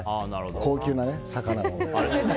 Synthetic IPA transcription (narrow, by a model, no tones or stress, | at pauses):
ko̞ːkʲɨːnanesakanamo